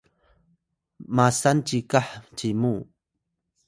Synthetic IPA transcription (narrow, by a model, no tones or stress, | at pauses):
masant͡ʃikaħt͡ʃimuː